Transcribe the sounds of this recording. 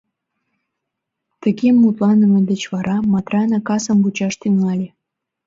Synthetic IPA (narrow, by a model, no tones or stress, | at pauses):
t̪əɣemːut̪lɑnəməd̪et͡ɕβɑɾɑmɑt̪rɑnɑkɑsəmbut͡ɕɑʃt̪yŋɑlʲe